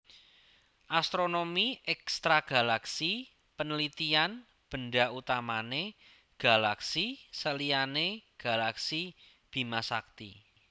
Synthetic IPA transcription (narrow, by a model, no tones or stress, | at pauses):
ʔast̪ɾonomiɛkst̪ɾaɡ̥a̤laksi | pənəlit̪ian | b̥ə̤ɳɖaut̪amane | ɡ̥a̤laksisəlianeɡ̥a̤laksi | b̥i̤masa̰k̚t̪ḭ